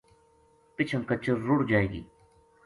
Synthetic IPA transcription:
pɪt͡ʃʰəmkɐt͡ɕəːʊɽd͡ʒaːeːɡḭː

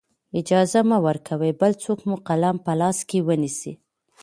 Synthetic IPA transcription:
ɪd͡ʒɑzamawəɾkʰawəjbəlt͡sokmuqalampəlɑskewənisḭ

